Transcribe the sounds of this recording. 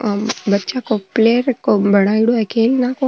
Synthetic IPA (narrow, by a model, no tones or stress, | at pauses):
bətːt͡ʃakopleɾkobʱəɽ̃aiɽoɛkʰelnako